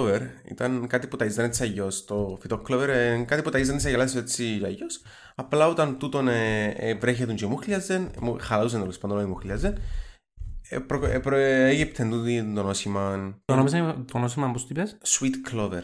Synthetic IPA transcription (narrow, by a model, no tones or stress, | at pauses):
veɾḭt̪ɐnkat̪iput̪ɐizd̪ɐnet̪siɐʝost̪ofit̪okloveɾkɐt̪iput̪ɐizd̪ɐnsɐʝelɐset͡sːiɐʝos | ɐplɐot̪ɐnt̪ut̪onevɾeçet̪und͡ʒemuxliɐzenmuxɐlɐuzenelospand̪onoimuxliɐzen | pɾopeʝip̚t̪ʰend̪uid̪onosimɐnt̪onomis̬ɐt̪onosimɐmpost̪t̪ipesswit̪kloveɾ